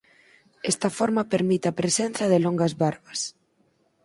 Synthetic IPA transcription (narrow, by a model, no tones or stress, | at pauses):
ɛst̪ɐfɔɾmɐpeɾmit̪eɐpɾesen̟θjɐðɪloŋɡɐzβaɾβɐs